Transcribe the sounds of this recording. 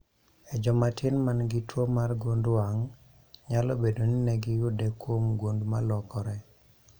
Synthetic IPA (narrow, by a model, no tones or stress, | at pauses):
ɛd͡ʒɔmatɪnmanɡɪtwomarɡondwaŋ | ɲalɔbedoninɛɡɪjʊdɛkwomɡwondmalɔkɔɾɛ